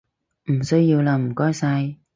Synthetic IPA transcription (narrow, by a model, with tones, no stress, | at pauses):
m̩˨˩sɵ˥ɥjiː˧wlaː˧m̩˨˩kɔː˥jsa˧j